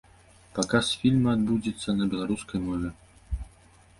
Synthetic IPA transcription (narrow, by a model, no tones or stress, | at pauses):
pakasfʲilʲmɐad̪bud͡zʲit̪sːɐnɐbʲɛlˠaɾuskɐjmɔvʲɛ